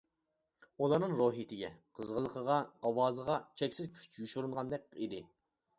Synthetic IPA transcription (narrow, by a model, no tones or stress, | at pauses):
ulˠɑɾnɨŋɾoɦit̪ʰɪɡʲɛqʰəzʁəlˠəqʰəʁɑɑwɑːzəʁɑt͡ʃʰɛkʲsɪzkʲʰy̥t͡ʃjuʃuɾuɴʁɑnd̪ɛk̚ʲḭd̪ɪ